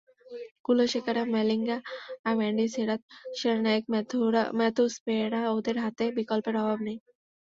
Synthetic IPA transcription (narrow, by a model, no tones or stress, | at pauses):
kuloʃekaɾamɛliŋɡaːɾmɛɳɖiseɾat̪̚ʃeɾnaekmɛt̪uspeɽaod̪eɾɦat̪ebikɔlpeɾɔbʱabnej̃